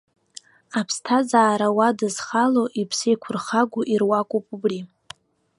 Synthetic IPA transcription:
apʰstʰazaːɾawadɨzχaloʔipʰsijkʷʰʊrχaɡʷuʔirwakʷʼopʼubri

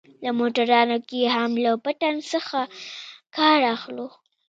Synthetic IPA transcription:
lamoʈaɾɑnokeɦamlapaʈansəxakɑɾaxlo

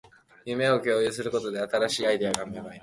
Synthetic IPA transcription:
jɯ̟me̞o̞kʲo̞ːjɯsɨɾɯ̟ko̞t̪o̞d̪e̞at̪aɾaɕiːaid̪e̞aɡameβai

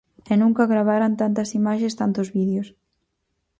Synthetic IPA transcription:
enũŋkaɣɾaβ̞aɾant̪ant̪ɐsimaʃest̪ant̪ozβiðjos

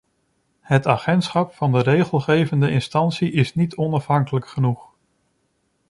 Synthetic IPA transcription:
ɦətaːχɛntsχɑpfɑndərejχəlˠχejvəndəʔɪnstɑnsiʔɪsnitʰɔnɑfɦɑŋkələkχənuχ

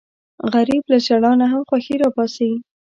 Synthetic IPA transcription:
ɣaɾiblaʃaɽɑnaɦamxwaxiɾɑbɑsawi

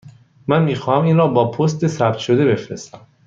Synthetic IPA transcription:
mænmiːxɒːhæmiːnɾɒːbɒːpʰost̪e̞sæbt̪ʃo̞d̪e̞be̞fɾest̪æm

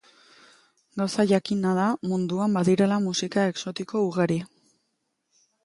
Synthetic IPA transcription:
ɡawsaʝakinað̞amund̪uambaðiɾe̞lamusikae̞kso̞t̪iko̞uɣaɾi

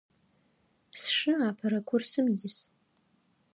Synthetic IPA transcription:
sʂɨapʰaɾakʷʰʊrsɨmjɪs

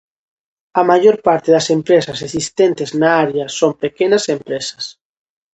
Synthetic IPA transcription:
ɐmaʝoɾpaɾt̪eðɐsempɾesɐsesist̪ent̪eznaaɾjɐsompekenɐsempɾesɐ̥s

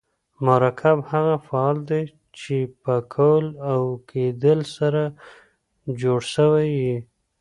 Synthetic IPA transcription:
maɾɑkʰabhaɣafaɑld̪e | t͡ʃepəkʰawəlawkʰed̪əlsaɾa | d͡ʒoɽʃəwawi

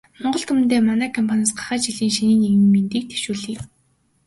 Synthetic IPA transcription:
mɔɴɢɞ̆ɮt̪ʰumɘ̆nt̪eːmanæːkʰɔmpʰanăːsɢḁχæːt͡ɕiɮiːŋʃiniːneɣɘ̆ŋment̪iːk̚t̪ʰe̥ʃuːɮiːk

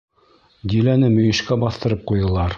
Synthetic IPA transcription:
d̪ʲilænɘmɵ̆jɘ̆ʃkæbɑθt̪ɤ̆ɾɤp̚qujɤ̆lˠɑɾ

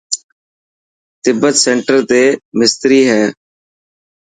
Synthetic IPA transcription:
t̪ɪbːət̪seːɳʈəɾt̪eːmɪst̪ɾiːɦɛː

